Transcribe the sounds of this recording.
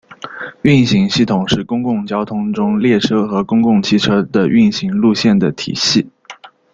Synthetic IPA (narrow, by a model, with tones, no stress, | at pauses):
y˥˩nɕi˧˥ŋɕi˥˩t̪ʰʊ˨˩ŋʂɻ̩˥˩kʊ˥ŋkʊ˥˩ŋt͡ɕjɑ˥ʊt̪ʰʊ˥ŋʈ͡ʂʊ˥ŋljɛ˥˩ʈ͡ʂʰɤ˥xɤ˧˥kʊ˥ŋkʊ˥˩ŋt͡ɕʰi˥˩ʈ͡ʂʰɤ˥d̪ə˨ʔy˥˩nɕi˧˥ŋlu˥˧ɕjɛ˥˩nd̪ə˩t̪ʰḭ˨˩ɕi˥˩